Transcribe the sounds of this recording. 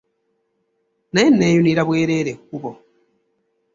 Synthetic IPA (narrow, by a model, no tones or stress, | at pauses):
najenːeːjuniɾaβweːɾeɾekuβo